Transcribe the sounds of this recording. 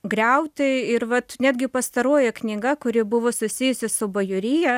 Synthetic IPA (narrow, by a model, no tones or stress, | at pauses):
ɡɾʲɛʊt̪ʲɪɪɾʋɐt̪nʲæːd̪ʲɡʲɪpɐst̪ɐɾoːjɛknʲɪɡɐkʊɾʲɪbʊʋoːsʊsʲɪjʊsʲɪsʊbɐjʊɾʲɪjɛ